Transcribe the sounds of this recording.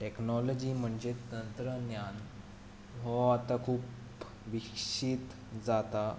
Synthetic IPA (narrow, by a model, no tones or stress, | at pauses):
ʈeknɔlɔd͡ʑiːm̤əɳd͡ʑet̪ənt̪ɾənjan | ɦɔat̪akʰuːp | ʋikɕit̪ | d͡zat̪a